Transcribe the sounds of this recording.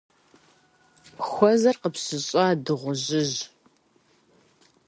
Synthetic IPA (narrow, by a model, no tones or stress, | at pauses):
xʷɔzɐrqəpsɨɕʼɐːdɨʁʷʊʑɪʑ